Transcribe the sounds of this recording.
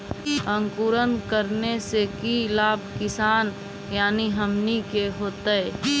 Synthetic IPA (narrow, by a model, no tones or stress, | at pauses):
ə̃ŋkuːɾənkəɾnesekilaːb̚ʱkɪsaːn | jaːniɦəmnikeɦoːt̪əɛ